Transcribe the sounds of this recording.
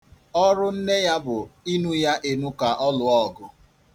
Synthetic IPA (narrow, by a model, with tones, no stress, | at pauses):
ɔ˦ɾʊ˦n̩˦ne˦ja˦bʊ˨i˦nu˦ja˦ʔe˨nu˦ka˨ʔɔ˦lʊ˨ɔ˦˨ɡʊ˨